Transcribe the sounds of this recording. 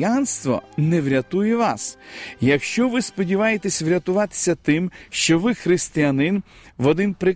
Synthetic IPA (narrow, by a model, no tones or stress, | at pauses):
janst̪ʋɔ̰nɛʋɾʲɐt̪ujɛʋɑsjɐkʃt͡ʃɔʋɪspɔdʲiʋɑjet̪esʲʋɾʲɐt̪ʊʋɑt̪ɪ̥sʲɐt̪ɪmʃt͡ʃɔʋɪxɾɪsʲt̪ɪjɐnɪnʋɔd̪ɪnpɾɪ